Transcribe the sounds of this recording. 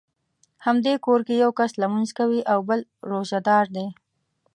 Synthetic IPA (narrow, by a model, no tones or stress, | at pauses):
hamd̪ekoɾkejawkaslamanzkawiʔawbəlɾoʒad̪ɑɾd̪e